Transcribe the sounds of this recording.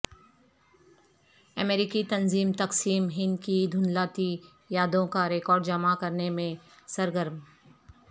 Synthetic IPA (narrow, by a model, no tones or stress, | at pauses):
ɐmeːɾɪkit̪ɐnziːmt̪ɐqsiːmɦɪnd̪kid̪ʱʊnlaːt̪i | jaːd̪õkaɾekɔːɾɖd͡ʒɐmakɐɾnemẽsɐɾɡəɾm